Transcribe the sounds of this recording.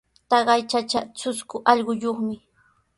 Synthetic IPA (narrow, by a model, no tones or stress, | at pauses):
t̪ɑɢɑjt͡ʃat͡ʃat͡sʊskʊʔɑʎɢʊjoχmɪ